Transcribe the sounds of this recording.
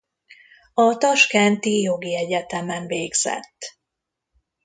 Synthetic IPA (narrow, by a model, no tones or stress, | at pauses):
ɒt̪ɒʃkɛnt̪ijo̞ɡiɛɟɛt̪ɛmɛɱveːɡz̥ɛ̰t̪ː